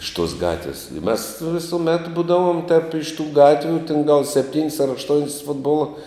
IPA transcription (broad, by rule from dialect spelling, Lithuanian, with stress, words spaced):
ɪʃ tuɔs ˈɡɑːtʲʋʲɪs ɪ mʲɛs ʋʲɪsʊˈmʲɛt ˈbuːdɐʋoːm tʲɛp ɪʃ tuː ˈɡɑːtʲʋʲuː tʲɪn ɡɐlˠ sʲɛpʲˈtʲiːnʲsʲ ɐr ɐʃˈtoːnʲsʲ ˈfʊdboːlˠɐ